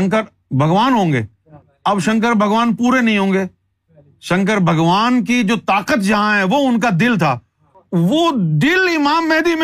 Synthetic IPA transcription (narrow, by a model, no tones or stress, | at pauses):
ŋkəɾ | bʱɐɡʋaːnɦõːŋɡḛː | ɐbʃɐ̃ŋk̬əɾbʱɐɡʋaːnpuːɾenɐɦĩɦõːŋɡeː | ʃɐ̃ŋkəɾbʱɐɡʋaːnkid͡ʒoːt̪aːqət̪d͡ʒɐɦãɦɛ̃ʋoʊnk̬ad̪ɪlt̪ʰaː | ʋod̪ɪlɪmaːmːɛɦd̪im